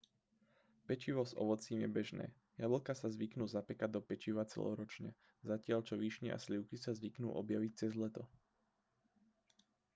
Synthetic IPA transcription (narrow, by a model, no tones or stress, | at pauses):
pɛt͡ʃiʋɔzɔ̰ʋɔt͡siːmjɛbɛʒnɛ̰ː | jabl̩ˠkasazʋiknuːzapɛkad̪ɔpɛt͡ʃiʋat͡sɛ̰lɔ̰ɾɔt͡ʃɲɛ | zacɪaʎt͡ʃɔʋiʃɲɛʔa̰sliʊkisazʋiknṵːʔɔbjaʋic̚t͡sɛzlɛt̪ɔ